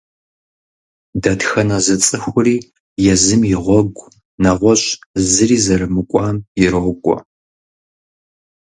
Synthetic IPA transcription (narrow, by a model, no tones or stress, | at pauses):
dɐtxɐnɐzɐt͡sʼɨxʷʊriː | jɛzɨmjɪʁʷɔɡʷ | nɐʁʷɔɕʼzɨriːzɐrɨmɨkʷʼɑːmjɪɾokʷʼɔ̰